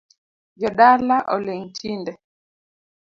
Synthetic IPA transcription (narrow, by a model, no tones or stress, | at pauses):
d͡ʒɔɗalaʔɔleŋtʰindɛ